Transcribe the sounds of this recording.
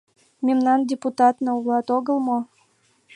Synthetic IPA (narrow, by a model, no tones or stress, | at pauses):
mʲemnɑndʲeput̪ɑt̪nŏulɑt̪oɣəlˠmo